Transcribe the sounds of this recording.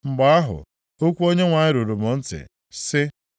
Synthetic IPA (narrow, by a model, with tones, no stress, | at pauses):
ŋ͡m̩˨ɡ͡ba˨a˦ɦʊ̰˨ | o˦kʷu˦o˦ɲe˦ŋʷa˨ɲɪ˦ɾo˨ɾo˨mo˨n̩˦tɪ̰˨ | sɪ˦